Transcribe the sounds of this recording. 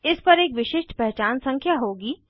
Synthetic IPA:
ɪspɐɾeːkʋɪʃɪʃʈpɛɦt͡ʃaːnsɐ̃ŋkʰjaɦoːɡiː

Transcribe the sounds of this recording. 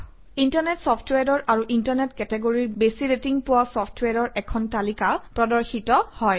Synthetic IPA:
intaɹnɛtsɔpʰtwɛɹɔɹʔaɹuʔintaɹnɛtkɛtɛɡoɹiɹbesiɹetiŋpʊwasɔpʰtwaɹɔɹʔɛkʰɔntalikapɹɔdɔɹxitɔhɔj

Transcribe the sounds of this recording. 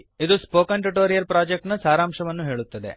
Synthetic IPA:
id̪uspoːkɐɳʈuʈoːɾijɐlpɾaːd͡ʒek̚ʈnɐsaːɾaːmʂɐʋɐnːuɦe̞ːɭut̪ːɐd̪e̞̰

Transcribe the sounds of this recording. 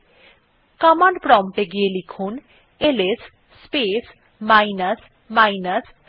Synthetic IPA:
kamanpɾɔmʈeɡielikʰun | elesː | pes | majnəs | majnəs

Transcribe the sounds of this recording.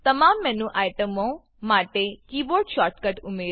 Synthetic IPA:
t̪əmaːmːɛ̃ːnũʔaːjʈəmõ | maːʈekiːboːɾɖʃɔːɾʈkəʈʊmeː

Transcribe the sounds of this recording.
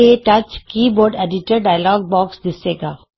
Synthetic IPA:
eʈɐt͡ʃkiːboːɾɖɛːɖɪʈəɾɖaːjəlɔːɡ̚bɔːksd̪ɪseːɡaː

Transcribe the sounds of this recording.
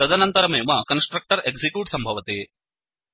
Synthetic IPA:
ɾɐd̪ɐnɐnt̪ɐɾɐmeːmɐkɐnsʈɾɐk̚ʈɐɾeksikjuːʈsɐmbʱɐʋɐt̪eː

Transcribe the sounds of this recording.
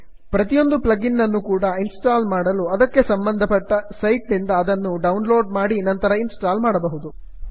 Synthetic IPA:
pɾɐt̪ijo̞nd̪uplɐɡinːɐnːukuːɽɐinsʈaːlmaːɽɐluɐd̪ɐkːe̞sɐmbɐnd̪ʱɐpɐʈːɐsɐjʈnind̪ɐːd̪ɐnːuɖɐwnlo̞ːɖ̚maːɽinɐnt̪ɐɾɐinsʈaːlmaːɽɐbɐɦud̪u

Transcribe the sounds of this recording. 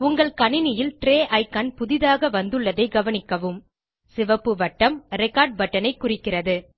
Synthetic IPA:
ʊŋɡɐɭkɐɳɪnɪjɪlʈɾeːʔɐɪkɐnpʊðɪðaːɣɐʋɐnd̪ɯɭːɐðɐɪɡɐʋɐnɪkːɐʋɯm | sɪʋɐpːɯʋɐʈːɐmɾɪkaːɾɖ̚ʋɐʈːɐnɐɪkːʊrɪkːɪrɐðɯ

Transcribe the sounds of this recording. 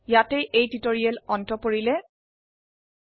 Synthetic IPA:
jatejʔejtitoɹiɛlɔntɔpoɹilɛ

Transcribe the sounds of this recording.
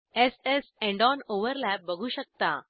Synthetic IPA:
ɛsesɛ̃ɳɖɔːnoːʋəɾlæp̚ːəɡʱuːʃək̚t̪a̰ː

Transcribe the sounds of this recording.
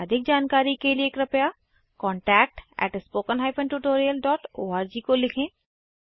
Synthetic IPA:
ɐd̪ʱɪk̚d͡ʒaːnkaːɾikelieːkɾɐpja | kɔ̃ːɳʈɛːk̚ʈɛ̰ːʈspoːkənɦaːɪpʰə̃nʈuʈoːɾijəlɖɔːʈoːaːɾd͡ʒikolɪkʰẽː

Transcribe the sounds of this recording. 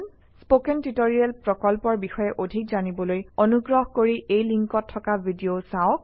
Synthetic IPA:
spokɛntitoɹiɛlpɹɔkɔlpɔɹbixɔjɛʔodʱik̚zanibɔlojɔnuɡɹɔɦkoɹiʔejliŋkɔtʰːɔkabʱidiosaɔk̚

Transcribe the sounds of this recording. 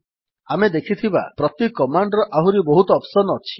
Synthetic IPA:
amed̪ekʰit̪ʰiba̰pɾɔt̪ikːɔmaɳɖɾɔʔaɦuɾibɔɦut̪ɔːpsɔnɔɔt͡ʃʰi̥

